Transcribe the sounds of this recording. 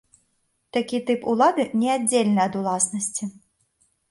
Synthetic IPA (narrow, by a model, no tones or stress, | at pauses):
t̪akʲit̪ɨpulˠad̪ɨnʲɛadd͡zʲelʲnɨɐd̪ulˠasnɐsʲt͡sʲi